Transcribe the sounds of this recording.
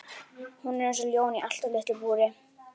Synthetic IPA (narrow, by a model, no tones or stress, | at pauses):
hunɛɛns̬ɔljoːwniʔal̥t̪ɔɾlɪht̪ɪbuːɾɪ